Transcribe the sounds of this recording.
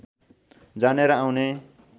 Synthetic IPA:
d͡zaneɾʌawne

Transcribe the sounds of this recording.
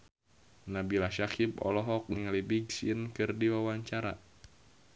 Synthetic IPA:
nabilaʃakib̚ɔ̰lɔɦɔk̚niŋlibiɡsiənkɨrdiwawaɲt͡ʃaɾa̰

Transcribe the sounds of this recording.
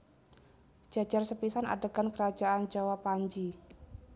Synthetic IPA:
d͡ʒ̥ad͡ʒarsəpisana̰dəɡankəɾad͡ʒaʔand͡ʒawapaɲd͡ʒi

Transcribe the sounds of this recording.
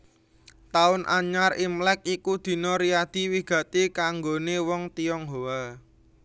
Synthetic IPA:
t̪aʊnʔa̰ɲarimlɛk̚ikud̪̥i̤nɔɾiad̪̥i̤wiɡ̥ä̤t̪ikaŋɡonewɔŋt̪iɔŋɦoa

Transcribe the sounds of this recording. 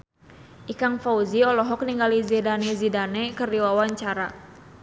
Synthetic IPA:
ʔikaŋfauziɔlɔɦɔk̚niŋɡalizɛdanɛzidanɛkərdiwawaɲt͡ʃaɾa

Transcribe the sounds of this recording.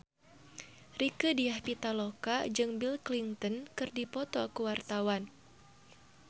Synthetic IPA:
rikədiahpit̪alokad͡ʒɨŋbilkliŋt̪ənkɨrdipɔt̪ɔkəwart̪awan

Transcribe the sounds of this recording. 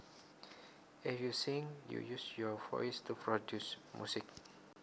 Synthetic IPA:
ɛfjusĩŋjṵjusjɔvɔ̰jstupɹɔdjusmjṵsik̚

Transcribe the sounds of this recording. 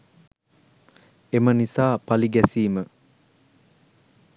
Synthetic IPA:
emənisaːpaliɡɛsiːmə

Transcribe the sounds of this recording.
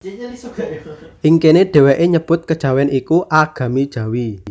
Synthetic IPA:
ʔiŋkeneɖ̥ɛ̤wɛʔeɲəb̥ʊt̪̚kəd̥ʒ̥ä̤wɛnikuʔaɡ̥ä̤mid̥ʒ̥ä̤wi

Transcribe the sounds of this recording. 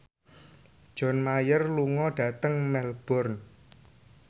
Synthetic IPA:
d̥ʒ̥ɔ̤nmajərluŋɔɖ̥ä̤t̪əŋmɛlb̥ɔrn

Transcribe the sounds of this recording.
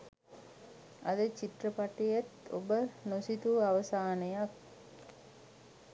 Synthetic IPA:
ʔɐd̪ət͡ʃit̪rəpaʈːijɐt̪o̰bənosit̪uɐʋɐsaːnejak̚

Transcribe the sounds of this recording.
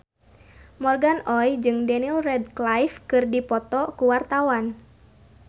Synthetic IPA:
mɔrɡanɔjd͡ʒɨŋdɛnilrɛdklajfkɨrdipɔt̪ɔkuwart̪awan

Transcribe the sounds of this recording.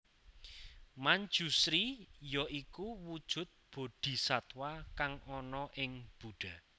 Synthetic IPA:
maɲd͡ʒ̥usɾijɔʔikuwud̥ʒ̥ʊ̤t̪̚b̥o̤ɖ̥i̤sat̪wakaŋɔnɔʔɪŋb̥uɖ̥a̤

